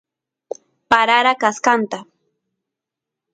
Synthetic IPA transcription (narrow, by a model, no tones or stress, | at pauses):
paɾaɾakaskant̪a